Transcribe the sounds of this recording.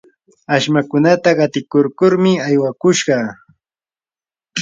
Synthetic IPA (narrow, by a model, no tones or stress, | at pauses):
aʃmakʊnat̪aɢɑt̪ɪkoɾkʊɾmɪajwakʊʃɢɑ